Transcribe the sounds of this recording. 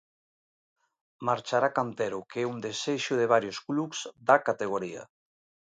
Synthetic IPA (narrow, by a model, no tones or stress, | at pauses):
maɾt͡ʃaɾakant̪ɛɾukeɛund̪eseʃʊðeβ̞aɾjosklukz̥d̪akat̪eɣ̞oɾiɐ̰